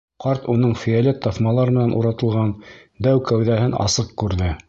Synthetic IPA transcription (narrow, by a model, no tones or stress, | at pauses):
qɑɾt̪unɤɴfijælʲet̪ːɑθmɑlˠɑɾmɘ̆nænuɾɑt̪ɤ̆lˠʁɑn | d̪æwkæwðæhɘnɑ̰sɤq̚kʉɾðɘ